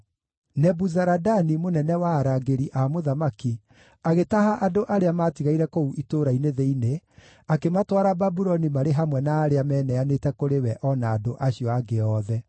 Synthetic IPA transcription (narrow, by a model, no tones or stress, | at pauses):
nɛbuzaɾadanimonɛnɛwaːɾaɡeɾiʔamoðamaki | aɣetaɦaʔadoʔaɾeamaːtiɣaiɾɛkouʔitoɾaineðeine | akematwaɾababuɾɔnimaɾeɦamwɛnaːɾeamɛːnɛanetɛkoɾewɛʔɔnaːdoʔaɕiɔaɡeɔːðɛ